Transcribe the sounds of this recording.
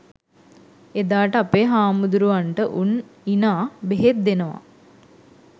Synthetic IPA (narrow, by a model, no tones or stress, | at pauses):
ed̪aːʈəapeɦaːmud̪uɾuʋaɳʈəʔuninaːbeɦet̪̚d̪enəʋa̰